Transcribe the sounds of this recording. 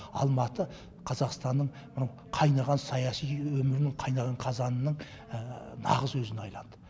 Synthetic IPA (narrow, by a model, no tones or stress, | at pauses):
ɑ̰lˠmɑt̪ə | qʰɑzɑqst̪ɑnd̪əɴ | mɪnɑw | qʰɑjnɑʁɑnsɑjɑsijwɵmɪɾɪnɪqʰɑjnɑʁɑɴqʰɑzɑnənəɴ | nɑ̰ʁəzwɵzɪnɑjlˠɑnd̪ə